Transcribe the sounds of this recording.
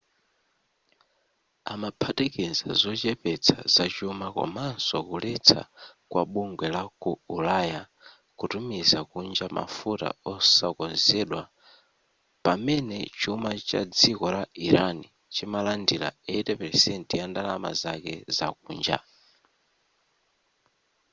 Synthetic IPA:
amapʰatɛkɛza̰zɔt͡ʃɛpɛt͡sʰa̰zat͡ʃumaka̰mansɔkulɛt͡sʰa̰kwa̰ɓuŋɡwɛlakuulaja | kutumizakund͡ʒama̰futa̰ɔsakɔnzɛɗwa | pamɛnɛt͡ʃumat͡ʃa̰d͡zikɔɾaiɾani | t͡ʃimalandila̰ɛtɛpɛɾsɛntjandalama̰zakɛ̰za̰k̚uːnd͡ʒa̰

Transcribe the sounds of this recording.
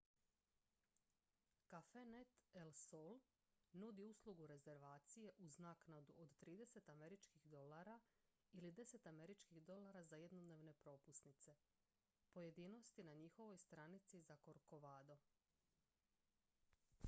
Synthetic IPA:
kafenet̪elsol | nud̪iuslˠuɡuɾe̞ze̞ɾʋaːt̪sije̞ʔuznaːknad̪uod̪t̪ɾiːd̪e̞se̞t̪ame̞ɾit͡ʃkixd̪o̞laɾa | ilid̪e̞se̞t̪ame̞ɾit͡ʃkiɣd̪o̞laɾazaje̞d̪nod̪ne̞ʋne̞pɾo̞pusnit̪se̞ | po̞je̞d̪iːno̞st̪inaɲixo̞ʋo̞jst̪ɾanit̪sizako̞ɾko̞ʋaːd̪o̞

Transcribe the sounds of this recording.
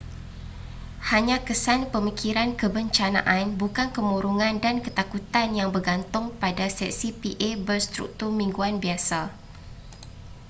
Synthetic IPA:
haɲãkəsanpəmikʰiɾankəbəɲt͡ʃana̰ʔanbukankəmuɾuŋãndankət̪akut̪anjaŋbərɡant̪ʊŋpadasɛk̚sipiʔebərst̪ɾṵk̚t̪urmĩŋɡuanbiasa

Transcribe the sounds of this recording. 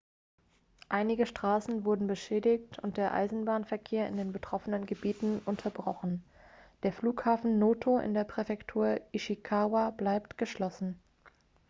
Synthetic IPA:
ʔaɪnɪɡəʃtʁ̥aːsn̩vʊɐdn̩bəʃɛːdɪçtʰʊnt̚d̥eːɐʔa̰ɪzn̩baːnfɛɐkʰeːɐɪ̰ndeːnbətʁ̥ɔfənənɡəbiːtn̩ʔʊntʰɐbʁɔχn̩ | d̥eːɐfluːkhaːfn̩noːtʰoʔɪ̰ndeːɐpʁ̥ɛfɛktʰuːɐiʃikʰaːwablaɪp̚tɡ̥əʃlɔsn̩

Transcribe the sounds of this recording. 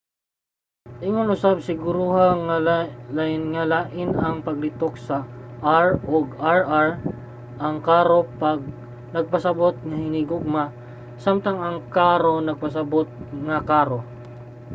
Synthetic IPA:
ʔɪŋonʔʊsab̚sɪɡuɾuhaŋalaɪnŋɐlaːʔɪnɐŋpɐɡ̚lɪt̪ok̚sɐʔaɹʔoɡaɹaɹ | ʔɐŋkaːɾopaɡ̚ | nɐɡ̚pɐsɐbot̪̚ŋɐhɪniɡoɡ̚ma | samt̪ɐŋɐŋkaːɾo̞nɐɡ̚pɐsɐbot̪̚ŋɐkaːɾo̞

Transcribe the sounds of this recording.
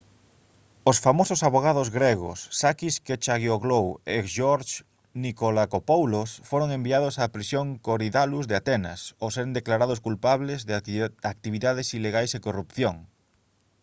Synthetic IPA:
osfamososaβoɣ̞aðozɣɾeɣo̰sːakisket͡ʃaɣjoɣlowekʃoɾt͡ʃ | nikolakopowlosfoɾoŋembiað̞ʊsapɾisjoŋkoɾiðaluzðeat̪ɛna̰sosɛɾend̪eklaɾaðʊskulpaβlezðak̚t̪iβ̞iðað̞esileɣajsekorupθjoŋ

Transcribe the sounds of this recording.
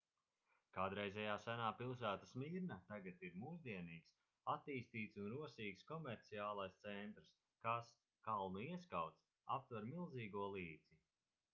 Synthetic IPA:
kaːd̪ɾɛjzʲɛjaːsænaːpilˠs̬æːt̪asmiːɾnat̪aɡat̪iɾmuːzd̪iɛniːks | at̪ːiːst̪iːt̪sunɾuɔsiːkskɔmɛɾt̪siaːlˠajst̪sɛnt̪ɾs | kas | kalˠnuiɛskawt̪s | ap̚t̪vaɾmilˠziːɡuɔlˠiːd̪z̥i

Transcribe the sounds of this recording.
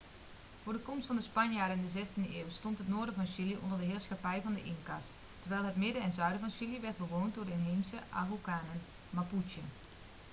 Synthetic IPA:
foːrdəkɔmstfɑndəspanjaːɾəɪndəzɛstindəɪːwstontɦətnoːrdəfɔnsiljəʔɔ̰ndərdəɦɪːrsxapɛjvɑndəʔɪŋkast | tːərʋɛjlˠɦətmɪdəɛnzœɥdəvɔnsiljəʋɛrt̚bəʋoːntdordənɦeːmsəʔa̰ɦukaːnən | maput͡ʃjə

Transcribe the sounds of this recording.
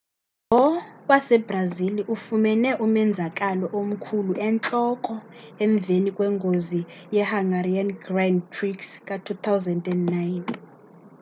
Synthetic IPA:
ɔwasɛbraziliʔufumɛnɛʔumɛnd͡zʱakʼalɔʔom̩kʰuluʔɛnt͡ɬʼɔkʼɔɛɱb̪vʱenikʼwɛŋɡʱozijɛhaŋɡarianɡrandpʰriksk̬ʼatʰut̪ʰawzandɛndnajn

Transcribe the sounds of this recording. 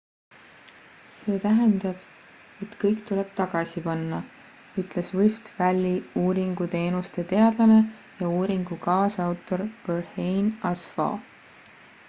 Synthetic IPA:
se̞ːt̪æɦend̪ɑb̥̚ | e̞t̪kɤjkt̪uleb̥̚t̪ɑɡ̥ɑsʲipɑnːɑ | yt̪ˑle̞swift̪vælʲːiuːɾiŋɡ̥ut̪e̞ːnust̪e̞t̪e̞ɑd̪̥lɑne̞ | jɑuːɾiŋɡ̥ukɑːsɑwt̪ˑo̞ɾb̥erhejnɑsfɑ̰

